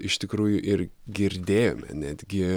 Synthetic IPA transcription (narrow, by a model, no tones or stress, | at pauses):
ɪʃt̪ʲɪkɾuːjʊʔɪrɡʲɪɾʲd̪ʲeːjo̰ːmʲɛ̰nʲæːd̪ʲɡʲɪ